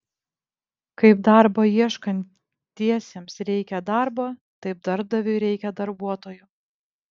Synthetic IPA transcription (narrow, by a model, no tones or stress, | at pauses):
kɐɪpd̪ɑɾbɐiɛʃkɐnʲt̪ | t̪ʲːiɛsʲeːmsɾʲɛɪkʲɛd̪ɑˑɾbɐːt̪ɐɪp̚d̪ɐɾb̚d̪ɐʋʲʊɪɾʲɛɪkʲɛd̪ɐɾbuɔt̪oːjʊ